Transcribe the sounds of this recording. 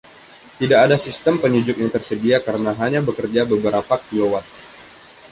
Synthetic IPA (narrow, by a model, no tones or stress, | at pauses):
t̪idaʔːdasist̪əmpəɲud͡ʒʊkjaŋt̪ərsədiakaɾənaɦaɲabəkərd͡ʒabəbəɾapakilowat̪̚